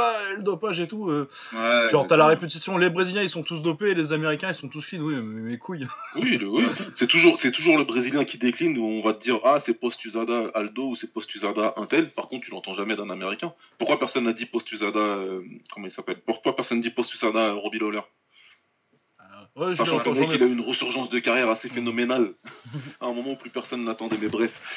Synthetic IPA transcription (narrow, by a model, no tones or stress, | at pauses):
aləd̪ɔpaʒet̪uø | wɛɑ̃t̪alaʁepyt̪asjɔ̃lebʁeziljɛ̃ilsɔ̃t̪us̬d̪ɔpelezameʁikʲɛ̃ilsɔ̃t̪usfinwiɛmekʰujwiləwisɛt̪uʒuːʁsɛt̪uʒuʁləbʁeziljɛ̃kʲid̪eklinuɔ̃vat̪əd̪iʁasɛpɔst̪yzad̪aøʔald̪ousɛpɔst̪yzad̪aʔɛ̃t̪ɛlpaʁkɔ̃t̪̚t̪ylɑ̃t̪ɑ̃ʒamɛd̪ɛ̃nameʁikʲɛ̃ | puʁχkwapɛʁsɔnːad̪ipɔst̪yzad̪aøkɔmɑ̃ilsapɛlpuʁkwapɛʁsɔnːd̪ipɔst̪yzad̪aøʁɔbilɔlɛʁ | ɛsasʃɑ̃kɔɛ̃ilaynʁəsyʁʒɑ̃sd̪əkaʁjɛʁasefenɔmenal | aɛ̃mɔmɑ̃uplypɛʁsɔnːat̪ɑ̃d̪ɛmɛbʁɛf